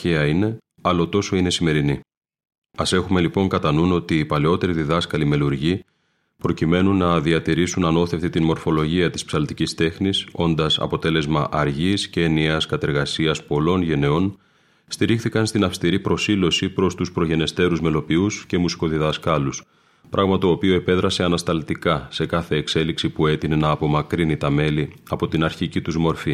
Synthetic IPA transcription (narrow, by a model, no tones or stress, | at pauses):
çeɐine̞ | ɐlo̞t̪o̞so̞ine̞sime̞ɾini | ɐse̞xume̞lipo̞ŋkɐt̪ɐnuno̞t̪iːpɐleo̞t̪e̞ɾiðiðɐskɐlime̞luɾʝi | pɾo̞cime̞nunːɐðiɐt̪iɾisunɐno̞θe̞ft̪it̪inmo̞ɾfo̞lo̞ʝiɐt̪i̥spsɐlt̪icist̪e̞xniso̞nd̪ɐsɐ̰po̞t̪e̞le̞zmɐʔɐɾʝisceːnieɐskɐt̪e̞ɾɣɐsiɐspo̞lo̞nʝe̞ne̞o̞n | st̪iɾixθikɐnst̪inɐfst̪iɾipɾo̞silo̞sipɾo̞st̪uspɾo̞ʝe̞ne̞st̪e̞ɾuzme̞lo̞piusce̞musi̥ko̞ðiðɐskɐlus | pɾʔɐɣmɐt̪o̞ːpioe̞pe̞ðɾɐse̞ɐnɐst̪ɐlt̪ikɐse̞kɐθe̞ːkse̞liksipue̞t̪inenɐːpo̞mɐkɾinit̪ɐme̞liɐpo̞t̪inɐɾçicit̪uzmo̞ɾfi